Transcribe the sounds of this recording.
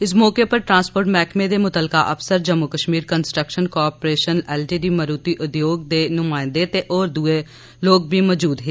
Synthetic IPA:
ɪsmɔːkepɐɾʈɾãːnspoːɾʈmɛːkmẽd̪emʊt̪əlkaʔɐfsəɾd͡ʒəmːʊkəʃmiːɾkənsʈɾəkʃənkɔːpɾeːʃənɛːlʈiːɖiməɾuːt̪iʔʊd̪joːɡ̚d̪enʊmaːɪ̃nd̪et̪eʔɔːɾd̪ue | loːɡ̚bʱimɔːd͡ʒuːd̪ɦeː

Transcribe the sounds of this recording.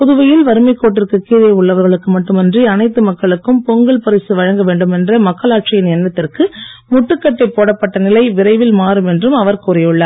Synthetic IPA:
pʊðɯʋɐjɪlʋɐɾɯmɐɪkːoːʈ̬ːɪrkɯkːiːɾɐjɐʊɭːɐʋɐɾɣɐɭɯkːɯmɐʈːɯmɐndriɐnɐɪt̪ːɯmɐkːɐɭɯkːɯmpɔŋɡɐɭpɐɾɪsɯʋɐɻɐŋɡɐʋeːɳɖɯmɛndrɐmɐkːɐɭaːʈt͡ʃɪjɪnɛnːɐt̪ːɪrkɯmʊʈːɯkːɐʈːɐɪpːoːɽɐpːɐʈːɐnɪlɐɪʋɪɾɐɪʋɪlmaːɾɯmɛndrɯmɐʋɐɾkʊɾɐjɯɭːɐ

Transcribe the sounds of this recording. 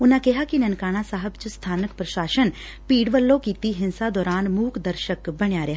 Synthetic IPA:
ʊnãːkɛɦaːkinənkaːɽ̃ãsaːɦəbt͡ʃʊst̪ʰaːnəkpɾəʃaːʃən | piːɖʋəlːõːkiːt̪iɦɪnsaːd̪ɔːɾaːnmuːkd̪əɾʃəkbəɽ̃jaːɾeɦa

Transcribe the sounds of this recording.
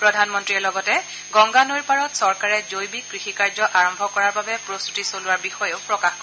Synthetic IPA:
pɹɔdʱanmɔntɹiɛlɔɡɔtɛ | ɡɔŋɡanojɹpaɹɔtsɔɹkaɹɛzojbikːɹixikaɹzɔʔaɹɔmbʱɔkɔɹaɹbabɛpɹostutisolʊwaɹbixɔjoʊpɹɔkaxkɔ

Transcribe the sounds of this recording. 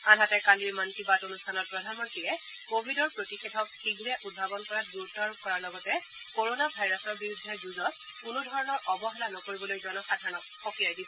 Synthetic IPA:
anɦatɛkaliɹmantibatonustʰanɔt̚pɹɔdʱanmɔntiɹɛ | kobʱidɔɹpɹotixedʱɔk̚xiɡʱɹɛʔud̚bʱabɔnkɔɹat̚duɹutːɔɹkɔɹaɹlɔɡɔtɛ | koɹonabʱajɹasɔɹbiɹudʱːɛzuzɔt̚ | kunudʱɔɹɔnɔɹʔɔbɔɦɛlanɔkoɹibɔlojzɔnɔxadʱanɔk̚ | ɔkiajdisɛ

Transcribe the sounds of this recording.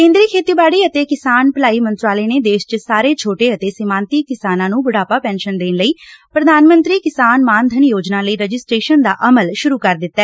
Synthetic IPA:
kẽːnd̪ɾiːkʰeːt̪iːbaːɽiːət̪eːkɪsaːnpəlaːiːmə̃nt̪ɾaːleːneːd̪eːʃt͡ʃəsaːɾeːt͡ʃʰoːʈeːət̪eːsɪmãːnt̪iːkɪsaːnãːnũːbʊɽaːpaːpɛ̃ːnʃənd̪eːnləiːpɾəd̪aːnmə̃nt̪ɾiːkɪsaːnmaːnd̪ʱənjoːd͡ʒnãːləiːɾəd͡ʒɪsʈɾeːʃənd̪a̰ːʔəməlʃʊɾuːkəɾd̪ɪt̪ːɛː

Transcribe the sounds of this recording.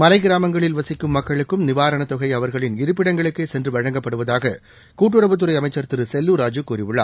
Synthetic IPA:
mɐlɐɪɡɪɾaːmɐŋɡɐɭɪlʋɐsɪkːɯmːɐkːɐɭɯkːɯmnɪʋaːɾɐɳɐt̪ɔɣɐɪɐʋɐɾɣɐɭɪnɪɾɯp̬ːɪɽɐŋɡɐɭɯkːeːsɛndrɯʋɐɻɐŋɡɐpːɐɽɯʋɐðaːɣɐ | kuːʈ̬ːɯɾɐʋɯt̪̬ːɯɾɐɪɐmɐɪt͡ʃːɐɾt̪ɪɾɯsɛlːuɾaːd͡ʒɯkuːrɪʋɪɭːa̰ː

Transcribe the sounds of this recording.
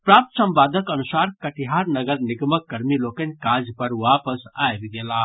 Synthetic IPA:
pɾaːp̚t̪sɐmpaːd̪əkɐnusaːɾkɐʈiɦaːɾnɐɡəɾnɪɡməkːɐɾmiloːkənʲkaːd͡ʒpɐɾʋaːpəsaːjbiɡeːlaː

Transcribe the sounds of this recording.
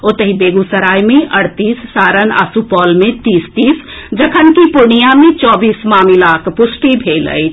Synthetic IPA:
ot̪əɦibeːɡusəɾaːjmẽʔəɽ̤t̪iːsːaːɾəna̰supɔːlmẽt̪iːst̪iːs | d͡ʒəkʰənkipunijamẽt͡ʃɔːbiːsmaːmilakʰpʊsʈibʱelə̰jt͡ʃʰ

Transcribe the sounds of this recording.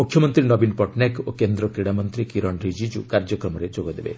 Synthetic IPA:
ukʰjɔmɔnt̪ɾinɔbinpɔʈnakokend̪ɾɔkɾiɽamɔnt̪ɾikiɾɔnɾid͡ʒid͡ʒṵkaɾd͡ʒɔkɾɔmɔɾed͡ʒoɡɔd̪ebḛ

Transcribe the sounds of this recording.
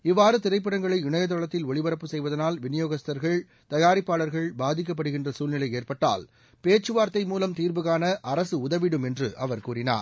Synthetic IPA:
ɪʋːaːɾɯt̪ɪɾɐɪpːɪɽɐŋɡɐɭɐɪɪɳɐjɐt̪̬ːɔɭɐt̪ːɪlɔɭɪʋɐɾɐpːɯsɛjʋɐðɐnaːlʋɪnɪjoːɣɐst̪ɐɾɣɐɭ | t̪ɐjaːɾɪpːaːɭɐɾɣɐɭbaːðɪk̬ːɐp̬ːɐɽɯɣɪndrɐsuːlnɪlɐɪeːrpɐʈːa̰ːl | peːt͡ʃːɯʋaːɾt̪ːɐɪmuːlɐmt̪iːɾbɯɣaːnɐʔɐɾɐsɯʊðɐʋɪɽɯmɛndrɯʔɐʋɐɾkuːɾɪna̰ːɾ

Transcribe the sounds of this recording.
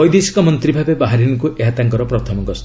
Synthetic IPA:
ɔjd̪esi̥kɔmɔnt̪ɾibʱabebaɦaɾiniŋkuʔeɦat̪aŋkɔɾɔpɾɔt̪ʰɔmɔɡɔs

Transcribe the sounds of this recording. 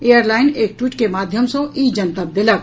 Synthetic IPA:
ejəɾlaːɪneːk̚ʈwiːʈkemaːd̪ʱjəmsõʔiːd͡ʒɐnt̪ab̪ɪlək

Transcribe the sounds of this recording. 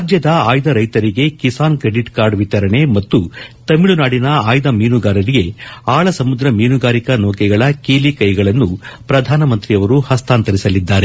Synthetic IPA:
ad͡ʒjɐd̪ɐaːjd̪ɐɾɐjt̪ɐɾiɡe̞kisaːnkɾe̞ɖiʈkaːɾɖʋit̪ɐɾɐɳe̞mɐt̪ːut̪ɐmiɭunaːɽinɐaːjd̪ɐmiːnuɡaːɾɐɾiɡe̞aːɭɐsɐmud̪ɾɐmiːnuɡaːɾikɐnɔːkɛɡɐɭɐkiːlikɐjɡɐɭɐnːupɾɐd̪ʱaːnɐmɐnt̪ɾijɐʋɐɾuhɐst̪ʰaːnt̪ɐɾisɐlid̪ːaːɾe̞

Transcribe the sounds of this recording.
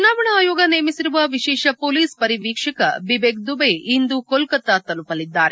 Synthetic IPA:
unaːʋɐɳɐaːjoːɡɐneːmisiɾuʋɐʋiʃɛːʃɐpoːliːspɐɾiʋiːkʂɐkɐ̰bibeɡ̚d̪ubeind̪ukolkɐt̪ːɐt̪ɐlupɐlid̪ːa̰ːɾe

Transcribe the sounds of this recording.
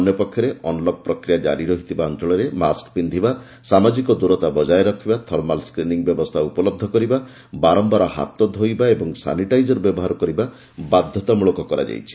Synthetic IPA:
ɔnjɔpɔkʰːjɔɾeʔɔnlɔb̚pɾɔkɾijad͡ʒa̰ɾiɾɔɦit̪ʰibaɔnt̪ɔɭɔɾema̰skbind̪ʱiba | samad͡ʒikɔd̪uɾɔt̪abɔd͡ʒajɾɔkʰibat̪ʰɔɾmalskɾiniŋbjɔbɔst̪ʰaupɔlɔb̚d̪ʱɔkɔɾiba | baɾɔmbaɾɔha̰t̪ɔd̪ʱojbaebɔŋsa̰niʈajd͡ʒɔɾbjɔbɔɦaɾɔkɔɾiba | bad̪ʱjɔt̪amuɭɔkɔkɔɾa̰d͡ʒa̰jt͡ʃʰi̥

